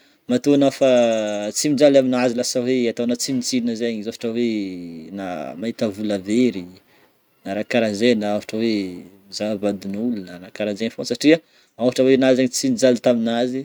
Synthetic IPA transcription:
mat̪unafat͡simid͡zalaminazilasaweat̪anat͡simit͡silinəzaɲizafḁʈ͡ʂawena̰mait̪avulaveɾi | naɾakaɾazenaafḁʈ͡ʂawemizavad̪unulunaɾakaɾazenfosaʈ͡ʂia | afaʈ͡ʂawenazaɲt͡simid͡zalt̪aminazi

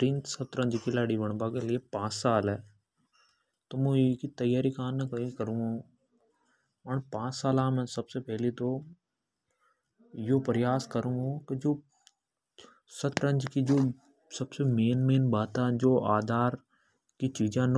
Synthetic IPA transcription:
ʈɪ̃ntsɐt̪ɾə̃ɲd͡ʒkilaːɽiʋɐɳ̃bãkelɪepãːt͡ʃsaːlɛː | t̪oːmũkit̪ɐjaːɾikaːnːɐkɐikəɾũːɡõː | pɐɳpãːt͡ʃsaːlãːmɛ̃ːsɐbsepɛɦlit̪o | jopɐɾɪjaːskəɾũːɡõkɪd͡ʒoː | sɐt̪ɾə̃ɲd͡ʒkid͡ʒoː | sɐbsemeːnmeːnbaːt̪ad͡ʒoːʔaːd̪ʱaːɾ | kit͡ʃiːd͡ʒãːn

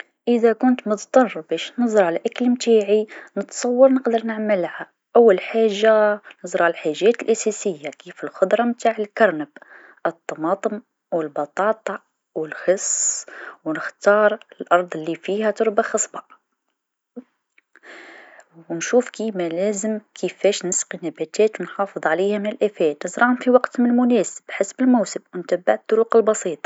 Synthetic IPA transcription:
ʔəðækʊnt̪mʊðt̪ˤɑrˤbæʃnɨzˤɾˤʕalʔæklmt̪aːʕinət̪sˤɑwːɑɾˤnəqd̪əɾˤnəʕməlha | ʔawːælħaːʒːanɨzˤɾˤʕllħaʒːæt̪əlʔæsæsəjːakifəlxʊd̪ɾˤɑmt̪aːʕəlkɑɾˤnəb | ʔət̪ˤːɑmɑːt̪ˤəm | wəlbɑt̪ˤɑːt̪ˤɑ | wəlxəsːwnəxt̪ɑɾˤəlʔɑɾˤd̪ˤlːifihæt̪ʊɾˤbaxɑsˤbɑ | wnʃufkimælæzəmkʰəfæʃnəsqinæbæt̪æːt̪wnħɑfəðˤʕalihæmnəlʔæfæt̪nəzɾˤɑʊmfiwɑqt̪mnəlmʊnæsəbħasbəlmuwsəbwnt̪æbːaʕt̪ˤːʊɾuqəlbɑsˤiːt̪ˤɑ̥

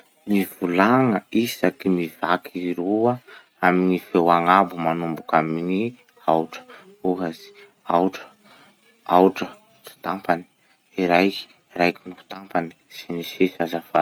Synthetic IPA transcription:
mivulaŋəisakimiv̥akʰiɾuə | aminifewaŋabumanumbukamini | awʈ͡ʂə̥ | uɦazi̥ | awʈ͡ʂə̥ | awʈ͡ʂə | t͡si̥t̪ampani̥ | iɾajki̥ | ɾajkinuu̥t̪ampani̥sinisisazafa

